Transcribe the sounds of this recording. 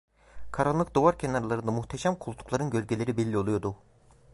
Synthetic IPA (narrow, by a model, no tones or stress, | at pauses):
kʰaɾalˠːɯk̚d̪ovaɾcʰenaɾalˠaɾɯnd̪amuxt̪ʰeʃæmkʰulˠut̪ʰu̥klˠaɾɯnɟø̞ɾɟʲelʲe̞ɾibilʲːio̞lˠujo̞d̪u